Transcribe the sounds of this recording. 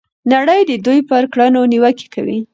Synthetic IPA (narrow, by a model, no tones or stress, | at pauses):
naɽəjd̪əd̪ujpəɾkɽanoniwəke̥kawḭ